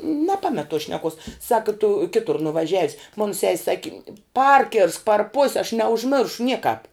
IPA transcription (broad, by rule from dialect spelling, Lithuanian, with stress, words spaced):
nʲɛˈpɑːmʲɛt toːs ʃʲnʲɛˈkoːs ˈsɑːkɐ tʊ ˈkʲɪtʊr nʊʋɐˈʒʲæːʋʲɪs mʊn sʲɛsʲ ˈsɑːkʲɪ ˈpɐrʲkʲɪrsk pɐr poːsʲ ɐʃ nʲɛʊʒʲˈmʲɪrʃʊ ˈnʲiɛkɑːp